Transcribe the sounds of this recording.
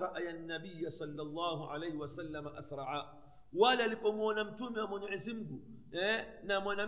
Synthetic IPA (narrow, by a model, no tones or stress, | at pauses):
ɾˤɑʔajanːabijːasɔlːalˤːaːɦuʕa̰lajhwasalːamaʔasɾˤɑʕa | walɛalipɔmwɔnam̩tumɛwamɔnaʕizim̩ɡu | ɛnamɔna